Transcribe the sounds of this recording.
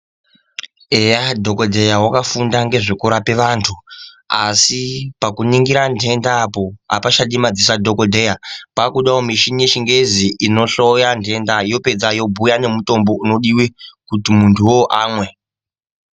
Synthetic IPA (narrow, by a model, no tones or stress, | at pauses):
ejadʱo̞kodʱe̞jawakafundaŋɡe̞ʐikuɾape̞ʋaːntʰu | asipakuniŋɡiɾandʱe̞ndaːpo̞a̰paʃaɗimad͡zis̬adʱo̞kodʱe̞japakuɗawomiʃinije̞t͡ʃiŋɡe̞ziʔino̞ɬo̞jandʱe̞ndajo̞pe̞d͡zajo̞bʱujane̞muto̞mbo̞uno̞ɗiwikutimuntʰuwo̞ʔaːmwe̞